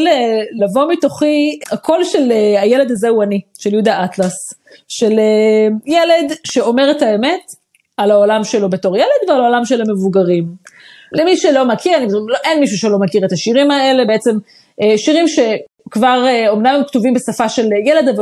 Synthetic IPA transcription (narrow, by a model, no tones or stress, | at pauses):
lelavo̞mito̞χiakʰo̞lʃelajele̞d̪azehuaniʃeljud̪aatlas | ʃelejele̞d̪ʃe̞o̞me̞ʁetaeme̞t | alaolamʃelo̞be̞to̞ʁjele̞d̪vealaolamʃeleme̞vuɡaʁim | lemiʃelo̞makʰiʁanibdloʔenmiʃ̬uʃelo̞makiʁet̪aʃiʁimae̞le̞beet͡se̞m | eʃiʁimʃe̞ | kvaʁeo̞mnammktuvimbesafaʃe̞ljeled̪av